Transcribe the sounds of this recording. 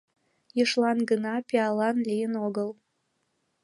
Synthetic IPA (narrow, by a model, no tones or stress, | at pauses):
iʂlanɡɨnapʲʰʼialanlʲijɪnoɡəl